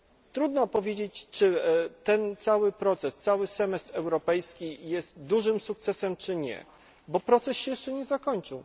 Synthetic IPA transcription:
t̪ɾud̪nɔpɔvʲjed͡ʑet͡ɕt͡ʂɘt̪ɛnt̪sawɘpɾɔt̪sɛst̪sawɘsɛmɛst̪ɾɛwɾɔpɛjskʲijɛst̪d̪uʐɘmsuk̚t̪sɛsɛmt͡ʂɘɲɛ̰ | bɔpɾɔt̪sɛsɕɛjɛʂt͡ʂɛɲɛzakɔɲt͡ʂɘw

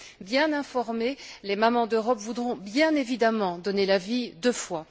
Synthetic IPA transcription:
bjɛ̃nɛ̃fɔʁmelemamɑ̃d̪øʁɔpvud̪ʁɔ̃bjɛ̃nevid̪amɑ̃d̪ɔnelavid̪øfwa

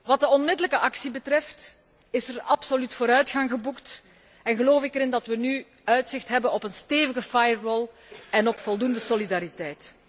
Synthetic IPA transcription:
ʋɑt̚dəɔnmɪdələkəʔɑksibətrɛft | ɪsərɑpsolytfoːɾœɥtxɑŋɣəbukt | ɛnɣəloːfɪkəɾɪndɑtʋəny | œɥtsɪxtɦɛbənɔpənsteːvəɣəfajərːɔlˠ | ɛnɔpfɔlˠdundəsolidaɾitɛjt

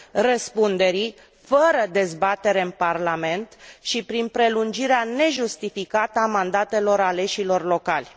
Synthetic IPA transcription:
rəspund̪e̞ɾi | fəɾəd̪e̞zbat̪e̞ɾe̞ɨnparlame̞nt̪ʃipɾinpɾe̞lund͡ʒiɾeane̞ʒust̪ifikat̪əamand̪at̪e̞lo̞ɾale̞ʃilo̞rlo̞kalʲ

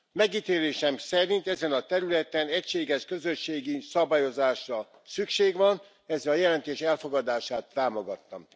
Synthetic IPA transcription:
mɛɡit̪eːleːʃɛmsɛɾint̪ɛzɛnɒt̪ɛɾylɛt̪ɛnɛcʃeːɡɛʃkø̞zøʃːeːɡisɒbaːjo̞zaːʃrɒ | sykʃeːɡʋɒn | ɛzːɛlɒjɛlɛnt̪eːʃɛlfo̞ɡɒd̪aːʃaːt̪ːaːmo̞ɡɒt̪ːɒm

